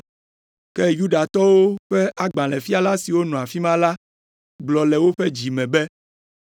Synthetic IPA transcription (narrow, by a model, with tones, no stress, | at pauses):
kɛ˦ju˦ɖa˨t̪ɔ˦wo˦ɸɛ˦ʔa˦ɡ͡bã˨lɛ˨fi˦a˦la˦si˨wo˦nɔ̃˨a˨fi˦mã˦la˦ | ɡ͡blɔ˨lɛ˨wo˦ɸe˦d͡ʑi˨mɛ̃˨bɛ˦